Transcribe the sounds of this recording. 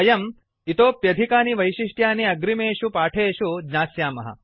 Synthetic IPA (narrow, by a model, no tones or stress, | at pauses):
ɐjɐm | it̪oːpjɐd̪ʱikaːniʋɐjʃiʂʈjaːniɐɡɾimeːʃupaːʈʰeːʃud͡ʒnaːsjaːmɐɦɐ̰